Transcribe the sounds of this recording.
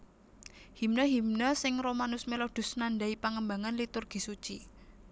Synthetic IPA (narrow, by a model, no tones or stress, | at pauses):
himnəɦimnəsɪŋromanʊsmelod̥ʊ̤snanda̤ipaŋəmbaŋanlit̪ʊrɡ̥i̤sut͡ʃi